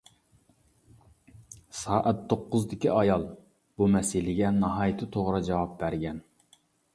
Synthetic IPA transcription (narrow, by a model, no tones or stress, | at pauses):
sɑːʔɛt̪ʰːoqːʊzd̪ɪkʲiɑjɑlˠ | bumɛsɪlɪɡʲɛnɑɦɑːjt̪ʰɨt̪ʰoʁɾɨd͡ʒɑwɑp̚bæɾɡʲɛn